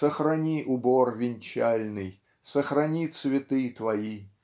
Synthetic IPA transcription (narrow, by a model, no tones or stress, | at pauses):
səxɾɐnʲiʔʊborvʲɪnʲt͡ɕalʲnɨj | səxɾɐnʲit̪svʲɪt̪ɨt̪vɐi